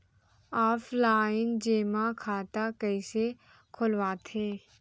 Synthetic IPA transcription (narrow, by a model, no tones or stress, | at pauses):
aːpʰlaːɪnd͡ʒeːmakʰaːt̪akəɪse | kʰʊlwaːt̪ʰeː